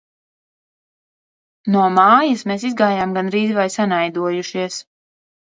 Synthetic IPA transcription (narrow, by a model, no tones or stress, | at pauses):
nuɔmaːjasmeːs̬izɡaːjaːmɡanɾiːzvajsanajd̪uɔjuʃiɛs